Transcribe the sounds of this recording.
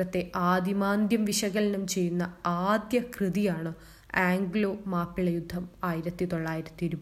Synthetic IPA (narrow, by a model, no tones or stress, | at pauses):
ɐt̪ːe̞ʔaːd̪imaːnd̪jɐmʋiɕɐɣɐlinumt͡ɕe̞jːunːɐaːd̪jɐkrɨðijaːɳɨ | aːŋɡlo̞ːmaːpːiɭɐjud̪ʱːɐmaːjiɾɐt̪ːit̪o̞ɭːaːjiɾɐt̪ːiiɾub